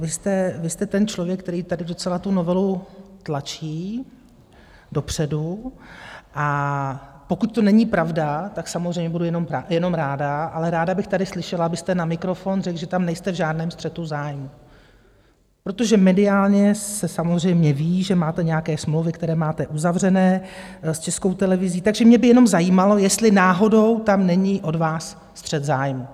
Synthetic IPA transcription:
vɪst̪ɛvɪst̪ɛt̪ɛnt͡ʃlo̞vjɛk̚ːt̪ɛɾiːt̪adɪdo̞t͡sɛlat̪uno̞vɛlut̪lat͡ʃiː | do̞pr̝̥ɛdu | ʔa | po̞kut̪̚t̪o̞nɛɲɪpɾavdat̪aksamozrejmɲɛbudujɛno̞mjɛno̞mɾaːdaʔalɛɾaːdabɪxt̪adɪxslɪʃɛlaabɪst̪ɛnamɪkɾo̞fo̞nrɛkʒɛt̪amnɛjst̪ɛvʒaːdnɛːmst̪r̥ɛt̪uzaːjmu | pɾo̞t̪o̞ʒɛmɛdɪaːlɲɛsɛsamozr̝ɛjmɲɛviːʒɛmaːt̪ɛɲɛjakɛːsmlowvɪkt̪ɛɾɛːmaːt̪ɛʔuzavr̝ɛnɛːst͡ʃɛsko̞wt̪ɛlɛvɪziːt̪aɡʒɛmɲɛbɪjɛno̞mzajiːmalo̞jɛst̪lɪnaːɦo̞do̞wt̪amnɛɲɪʔo̞dvaːsː | t̪r̝̥ɛt̪zaːjmu

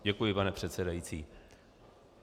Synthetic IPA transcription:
ɟɛkujɪpanɛpr̝̥ɛt̪sɛdajit͡siː

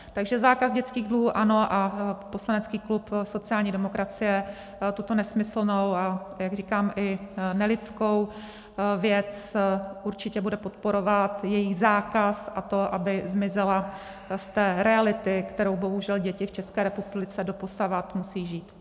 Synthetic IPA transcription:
t̪aɡʒɛzaːkazɟɛt͡skiːɣdluuːʔano̞ʔapo̞slanɛt͡skiːklupso̞t͡sɪaːlɲiːdɛmo̞kɾʔat͡sɪjɛ | t̪ut̪o̞nɛsmɪsl̩no̞wajaɡr̝iːkaːmʔɪnɛlɪt͡sko̞w | vjɛt͡sʔuɾt͡ʃɪcɛbudɛpo̞t̪po̞ɾo̞vat̪jɛjɪxzaːkasʔat̪o̞ʔabɪzmɪzɛla | st̪ɛːɾɛalɪt̪ɪkt̪ɛɾo̞wbo̞ɦuʒɛlɟɛcɪft͡ʃɛskɛːɾɛpublɪt͡sɛdo̞posavat̪musiːʒiːt̪

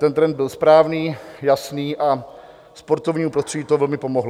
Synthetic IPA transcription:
t̪ɛnt̪ɾɛnd̪̚bɪlspɾaːvniːjasniːʔa | spo̞ɾt̪ovɲiːopɾost̪r̥ɛɟiːt̪ovɛlmɪpo̞moɦl

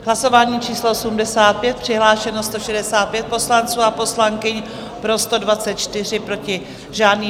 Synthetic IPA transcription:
ɦlaso̞vaːɲiːt͡ʃiːsloosumdɛsaːt̪̚pjɛt̪̚pr̝̥ɪɦlaːʃɛnost̪o̞ʃɛdɛsaːt̪̚pjɛt̪̚po̞slant͡suːapo̞slaŋkɪɲ | pɾo̞st̪o̞dvatt͡sɛt̪̚t͡ʃt̪ɪr̝ɪpɾo̞cɪ | ʒaːdniː

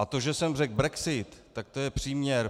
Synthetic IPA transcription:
at̪o̞ʒɛsɛmrɛɡ̚bɾɛksɪt̪ːak̚t̪ojɛpr̝̥iːmɲɛɾ

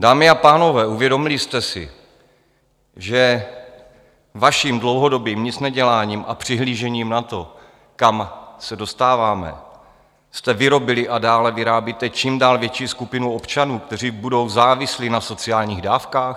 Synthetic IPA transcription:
daːmɪapaːno̞vɛːuvjɛdo̞mɪlɪst̪ɛsɪ̰ | ʒɛ | vaʃimdlowɦo̞do̞biːmɲɪt͡snɛɟɛlaːɲiːmʔa̰pr̝̥ɪɦliːʒɛɲiːmnat̪o̞ | kamsɛdo̞st̪aːvaːmɛ̰ | st̪ɛvɪɾo̞bɪlɪʔadaːlɛvɪɾaːbjit̪ɛt͡ʃiːmdaːlvjɛt͡ʃiːskupɪnuo̞pt͡ʃanuːkt̪ɛr̝iːbudo̞wzaːvɪslinaso̞t͡sɪaːlɲiːɣdaːfkaːx

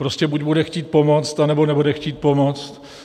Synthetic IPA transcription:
pɾo̞scɛbucbudɛxciːt̪̚po̞mot͡st̪anɛbo̞nɛbudɛxciːt̪̚po̞mo̞t͡st̪

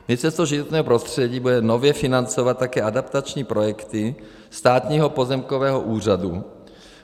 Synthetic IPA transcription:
mɪt͡sɛst̪oʒɪvot̪nɲɛːɦopɾo̞st̪r̝̥ɛɟiːbudɛno̞vjɛfɪnant͡sovat̪̚ːakɛːʔadapt̪at͡ʃɲiːpɾo̞jɛkt̪ɪ | st̪aːt̪ɲiːɦopo̞zɛmkovɛːɦoʔuːr̝adu

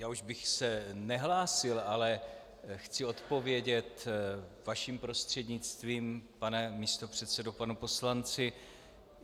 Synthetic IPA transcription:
jaːuʒbɪxsɛnɛɦlaːsɪlalɛ | xt͡sɪo̞t̪po̞vjɛɟɛt̪vaʃimpɾo̞st̪r̝̥ɛdɲɪt͡st̪viːmpanɛmist̪o̞pr̝̥ɛt̪sɛdopanupo̞slant͡sɪ

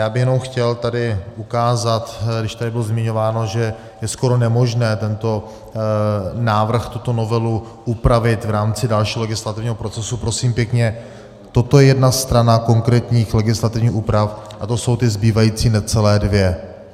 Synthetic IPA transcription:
jaːbɪxjɛno̞mxcɛlt̪adɪʔukaːzat̪ɡdɪʃt̪adɪbɪlozmɪɲo̞vaːno̞ʒɛ | jɛsko̞ɾo̞nɛmo̞ʒnɛːt̪ɛnt̪o̞ | naːvr̩xt̪ut̪o̞no̞vɛlu | ʔupɾavɪt̪vɾaːmt͡sɪdalʃiːɦolɛɡɪslat̪ɪvɲiːɦo̞pɾo̞t͡sɛsupɾo̞siːmpjɛkɲɛ | t̪o̞t̪ojɛjɛdnast̪ɾanako̞ŋkɾɛːt̪ɲiːxlɛɡɪslat̪ɪvɲiːxuːpɾafʔat̪o̞so̞wt̪ɪzbiːvajiːt͡siːnɛt͡sɛlɛːdvjɛ

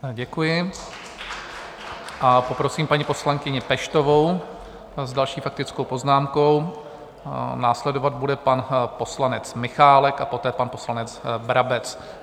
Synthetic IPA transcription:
ɟɛkujɪ | ʔapo̞pɾo̞siːmpaɲipo̞slaŋkɪɲɪpɛʃt̪o̞vo̞w | zdalʃiːfak̚t̪ɪt͡sko̞wpo̞znaːmko̞w | naːslɛdo̞vad̪̚budɛpanpo̞slanɛt͡smɪxaːlɛkapo̞t̪ɛːpanpo̞slanɛd͡zbɾabɛt͡s

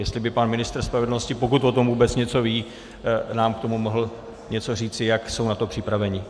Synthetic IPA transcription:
jɛst̪lɪbɪpanmɪnɪst̪ɾ̩spɾavɛdl̩no̞scɪpo̞k̬ut̪o̞t̪o̞mvuːbɛt͡sɲɛt͡so̞viː | naːmkt̪o̞mumo̞ɦl̩ | ɲɛt͡so̞r̝iːt͡sɪjakso̞wnat̪o̞pr̥ɪpɾavɛɲɪ

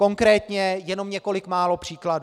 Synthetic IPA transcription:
ko̞ŋkɾɛːt̪ɲɛjɛno̞mɲɛko̞lɪkmaːlo̞pr̝̥iːkladu

